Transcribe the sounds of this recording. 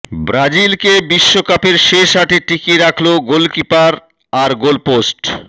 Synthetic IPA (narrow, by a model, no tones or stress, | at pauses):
bɾad͡ʑilkebiʃːokapeɾʃeʃaʈeʈikiɾakʰloɡolkipaɾ | aɾɡolposʈ